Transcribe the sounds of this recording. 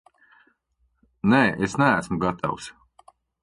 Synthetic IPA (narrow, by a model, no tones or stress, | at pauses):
nɛːʔesnææsmuɡat̪ʰa̰ws